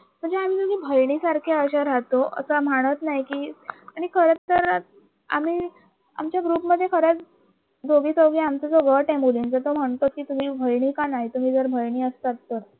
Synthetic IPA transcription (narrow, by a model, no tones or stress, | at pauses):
m̤əɳd͡zeam̤iːt̪uɡiːbʱəjɳ̃isaɾkʰeəɕaɾat̪oʔə̰səmaɽ̃ət̪naɦjkiːaɽ̃ikʰəɾət͡st̪əɾ | a̰m̤iː | a̰mt͡ɕjaɡɾuːpməd̪ʱːjekʰəɾət͡s | d̪oɡiːsəwɡiamt͡səd͡zoɡəʈɛmbulint͡sət̪om̤əɳt̪ot̪̚kiːt̪um̤iːbʱəjɳ̃iːkanaɦit̪um̤iːd͡zəɾbʱəjɽ̃iːəst̪at̪ːəɾ